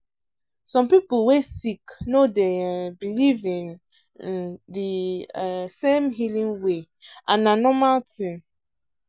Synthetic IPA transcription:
sɔ̃mpipwesiknodebilivĩŋ | ndi | sẽmɦilĩŋweananɔmaltĩm

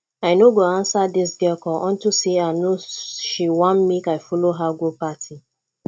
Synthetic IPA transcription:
aɪnoɡoãnsadis̬ɡɛkɔʔɔ̃ntusiaɪnoʃiwãnmikaɪfɔloɦaɡopatʰi

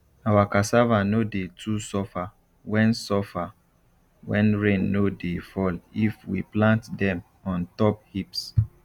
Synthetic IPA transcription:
awakasavanodetʰusɔfa | wɛ̃nsɔfa | wɛ̰̃nɹẽnːodefɔlifwḭplãntdɛ̃m | ɔ̃ntɔp̚hips

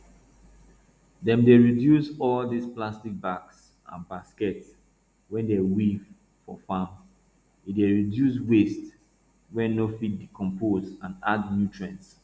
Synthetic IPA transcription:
dɛ̃mdeɹidjusɔldisplastik̚baks | ã̰nbaskɛt | wɛ̃ndɛwiv | fɔ̰fãm | ideɹidjuswest | wɛ̃nnofit̚dikʰɔ̃mpozãnadnjutʰɹɛ̃ns

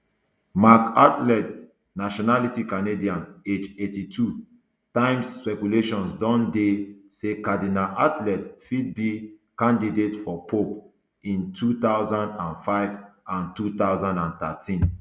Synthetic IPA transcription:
makatlɛt | naʃɔnalitikanediãned͡ʒetitʰu | tãɪ̃msːpɛkuleʃɔ̃nsdɔ̃ndesekadinalʔatlɛtfid̚bikãndidetfɔpop | ĩntʰut̪aʊzãndãnfaɪvãntut̪aʊzãndãnt̪atʰĩn

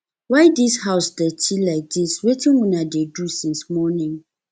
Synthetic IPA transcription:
waɪdishaʊsdɛtʰilaɪk̚diswetĩnwunadedusĩnsmɔnɪ̃ŋ

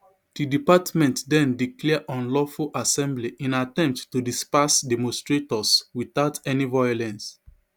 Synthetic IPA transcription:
d̥idipatmɛ̃ntdɛ̃ndiklɛʔɔ̃nlɔfulʔasɛ̃mbliʔĩnatɛ̃mp̚ttudispasdɛmɔ̃nstɹetɔswiθaʊtʰɛnivɔjɔlɛ̃ns

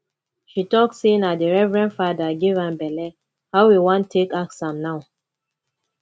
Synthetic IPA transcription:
ʃitɔktsenadiɹɛvɹɛ̃ntfadaɡivãnbɛlɛ | haʊwiwɔ̃ntʰːekaksãmnaʊ

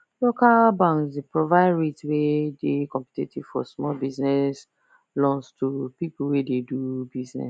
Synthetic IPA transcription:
lokalbãŋsdepɹovaɪdɹetswedekɔ̃mpi̥tetʰiv̥fɔ̰smɔlbiznɛs | lɔ̃nstʰupipl̩wededubiznɛ̰

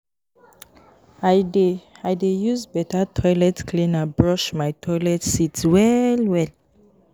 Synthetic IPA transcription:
adeajdejuzbɛtatʰɔjlɛtkʰlĩnabɹɔʃmajtʰɔjlɛtsitwɛlwɛl

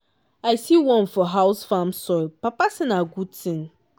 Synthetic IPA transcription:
aɪsiwɔ̃nfɔɦaʊsfãmsɔpapasĩnaɡud̚tʰĩŋ

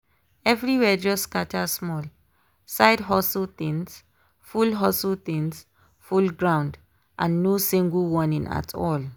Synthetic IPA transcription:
ɛvɹiwɛd͡ʒɔskatʰasmɔl | saɪdɦɔsot̪ĩns | fulɦɔsəlt̪ĩns | fulɡɹãʊ̃nd | ʔãnːosĩŋɡəlwɔ̃nĩna̰tʰɔ̰l

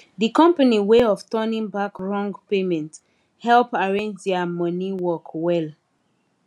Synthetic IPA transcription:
ðikɔ̃mpaniweɔftɜnĩŋbakɹɔ̃ŋɡpemɛ̃nt | hɛlpaɹẽnd͡ʒdɛamʌ̃niwɔkwɛl

